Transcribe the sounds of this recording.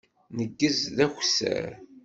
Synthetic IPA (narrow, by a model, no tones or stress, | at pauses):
nəɡːəzðæxsə̰ɾ